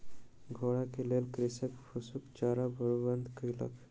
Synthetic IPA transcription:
ɡʱoɽakelelkɾisəkpʰusukt͡ʃaɾabʱəɭubənd̪ʱkəjlə̰k

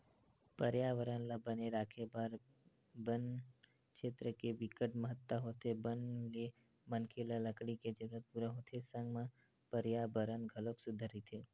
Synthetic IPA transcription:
pəɾjaʋəɾənlabəneɾakʰebaɾ | bən | kʃeːt̪ɾəkeʋɪkəʈməɦət̪ːaɦot̪ʰebənle | mənkʰelaləkɽiked͡ʒəɡət̪̚puɾə̃ɦot̪ʰesə̃ŋɡmã | pəɾjabəɾənɡʱəloksʊd̪ʱaɾit̪ʰe

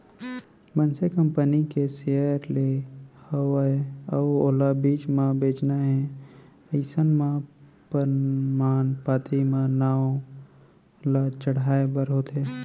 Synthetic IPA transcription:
mənsekə̃mpənikesejəəɾlehəwaeəoːlabiːt͡ʃmãbeːt͡ʃnaɦɛ̃ | əɪsənmãpəɾmaːnpaːt̪ʰimãnaːo | lat͡ʃəɽaːebəɾɦot̪ɦe

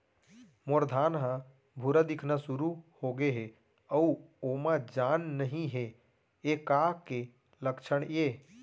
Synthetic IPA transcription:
moɾd̪ʱanɦə̃ | bʱuɾad̪ikʰnasuɾuhoɡeɦe | əuomãd͡ʒanːəɦĩɦe | ekake | ləkt͡ʃʰəɳje

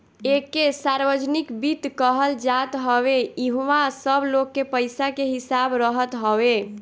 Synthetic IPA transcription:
ekːesaɾbəd͡ʒnikbit̪kəɦəld͡ʒat̪ɦəβeiɦuʋasəbʱlokːepəjsakeɦisabɾəɦət̪ɦəbe

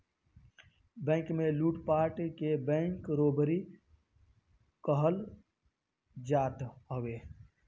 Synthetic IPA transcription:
bɛ̃ːŋkmẽluːʈpaːɾʈkebɛ̃ːŋkɾoːbɾi | kəɦəl | d͡ʒaːt̪ɦəʋeː

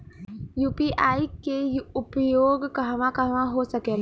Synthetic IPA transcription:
juːpiʔaːikeʊpjoːɡkɐɦʋãkɐɦʋãɦosɐkeː

